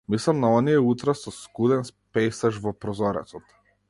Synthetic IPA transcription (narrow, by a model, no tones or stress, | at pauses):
mislˠamnaɔnijɛut̪ɾasɔskud̪ɛnspɛjsaʒvɔpɾɔzɔɾɛ̰t̪sɔt̪